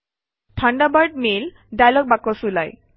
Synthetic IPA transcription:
tʰaɳɖabaɹɖ̚mel | ɖajlɔk̚bakːɔsula̰j

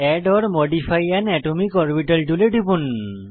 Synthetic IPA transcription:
ɛɖɔɹmɔɖipʰajanɛʈumikɔɹpiʈalʈuleʈipun

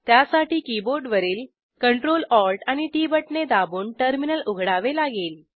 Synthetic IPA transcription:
t̪jasaʈiːkiboɾɖʋəɾiːl | kəɳʈɾolɔlʈañiʈiːbəʈned̪abuːɳʈəɾminəluɡʱɽaʋelaɡeːl

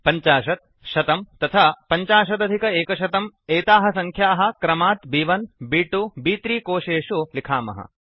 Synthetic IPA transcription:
pɐɲt͡ʃaːʃɐt̪̚ | ʃɐt̪ɐmt̪ːɐt̪ʰɐpɐɲt͡ʃaːʃɐt̪̬ɐd̪ʱikɐeːkɐʃɐt̪ɐmeːt̪aːɦɐsɐŋkʰjaːɦɐ̆kɾɐmaːt̪biːʋɐnbiːʈubiːt̪ɾiːkoːʃeːʃulikʰaːmɐ̰ɦɐ̰

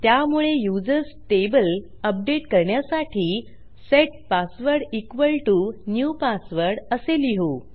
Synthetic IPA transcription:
t̪jamuɭejud͡zəɾsʈebəl | əp̚ɖeʈkəɾɳjasaʈʰiː | seʈ̚pasʋəɾɖikʋəlʈunjupasʋəɾɽəseliɦu

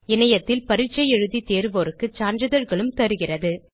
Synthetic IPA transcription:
ɪnɐjɐt̪ːɪlpɐɾɪt͡ʃːɐjɛɻɯðit̪eːɾɯʋɔɾɯkːɯt͡ʃaːɾnd͡ʒrɐðɐɾɣɐɭɯmt̪ɐɾɯɣɪrɐðɯ

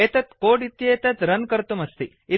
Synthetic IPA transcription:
eːt̪ɐt̪koːɖit̪jeːt̪ɐt̪ɾɐnkɐɾt̪umɐst̪i | i

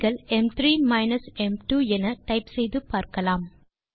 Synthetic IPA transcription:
ɣɐlɛmt̪ɾiːmɐɪnɐsɛmʈuːɛnɐʈɐɪpsɛjðɯpaːɾkɐlaːm

